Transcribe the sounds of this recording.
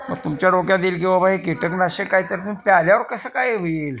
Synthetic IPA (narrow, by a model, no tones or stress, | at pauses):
mə̰ɡ̚t̪umt͡ɕjaɽoɡjad̪iːlɡeʋabaɦekiʈəknaɕekaɦit̪əɾt̪umpjaljaʋəɾkəsəːkajʋel